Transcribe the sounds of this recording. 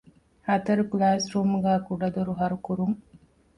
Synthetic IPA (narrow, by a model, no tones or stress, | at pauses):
hɐt̪ɐɾuklaːsɾuːmuɡæːkuɖɐd̪uɾuɦɐɾukuɾuŋ